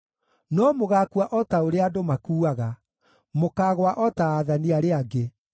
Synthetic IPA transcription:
nɔmoɣaːkuaʔɔtaoɾeadomakuːaɣa | mokaːɣwaʔɔtaːðaniaɾeaɡe

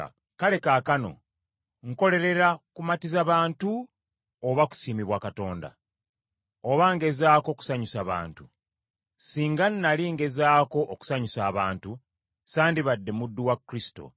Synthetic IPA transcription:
kale̞kaːkano̞̰ | ŋ̩ko̞le̞ɾe̞ɾakumatizaβaːntu | oβaku̥siːmiβwakato̞ːnda̰ | oβaŋɡe̞zaːko̞ːku̥saɲusaβa̰ːntu | siːŋɡanːaliŋɡe̞zaːko̞ʔoku̥saɲusaːβaːntu | saːndiβadːe̞mudːuwakːɾisi̥to̞̰

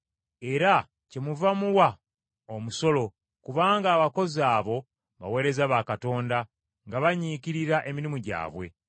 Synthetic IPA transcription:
e̞ɾa | ce̞muvamuwa | omuso̞lo̞ | kuβaːŋɡaːβako̞zaːβo̞ | βa̰we̞ːɾe̞zaβaːkato̞ːnda | ŋɡaβaɲiːciɾiɾaʔemiɾimuɟa̰ːβwe̞̰

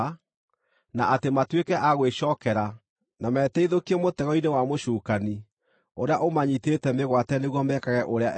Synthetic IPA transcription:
naʔatematwekɛʔaɣweɕɔːkɛɾa | namɛːtɛiðokiemotɛɣɔinewamoʃuːkani | oɾeaʔomaɲitetɛmeɣwatɛneɣwɔmɛkaɣɛʔoɾeaʔ

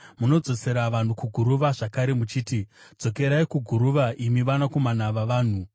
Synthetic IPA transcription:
muno̞d͡zo̞se̞ɾaʋan̤ukuɡʱuɾuʋaʐakaɾe̞mut͡ʃiːti̥d͡zo̞ke̞ɾaikuɡʱuɾuʋaʔimiʋanako̞manaʋaʋaːn̤u

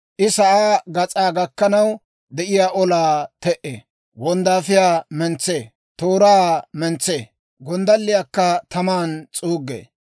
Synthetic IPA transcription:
ʔɪsɐʔaːɡɐt͡sʼaːɡɐkːɐnɐw | d̪ɛʔɪjaːʔɔlaːt̪ɛʔḛː | wɔnd̪aːfɪjaːmɛnt͡sːeː | t̪oːɾaːmɛnt͡sːeː | ɡɔnd̪ɐlːɪjaːkːɐt̪ɐmaːnt͡sʼuːɡːḛː

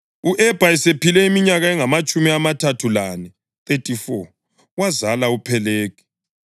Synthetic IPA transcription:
uʔɛb̥ʱaɛsepilɛimiɲaɣaɛŋamat͡ʃʼumiamatʰatʰulanɛ | θetʼifɔ | wazalaupʰɛleːkʰɛ̥

